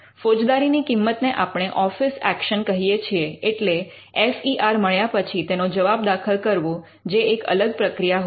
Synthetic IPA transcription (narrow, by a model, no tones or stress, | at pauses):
fod͡ʒd̪aɾinikimːət̪neʔapɽ̃eʔɔfisækʃənkəɦijet͡ʃʰieeʈle | efiʔaɾməɭjapət͡ʃʰit̪enod͡ʒəʋab̚d̪akʰəlkəɾʋũ | d͡ʒeːkə̰ləɡ̚pɾəkɾijaɦ